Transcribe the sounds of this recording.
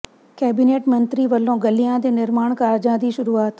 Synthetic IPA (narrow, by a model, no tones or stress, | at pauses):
kɛːbineːʈmɐ̃nt̪ɾiʋəlːõːɡɐlijãd̪eːnɪɾmaːɳ̃kaːɾd͡ʒãːd̪iːʃʊɾuːaːt̪